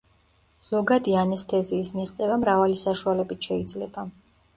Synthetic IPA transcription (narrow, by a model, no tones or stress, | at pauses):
z̥ɔɡad̪ianɛst̪ʰɛziːsmiʁt̪sʼɛvamɾavalisaʃualɛbit̪ʰʃɛid̪zlɛba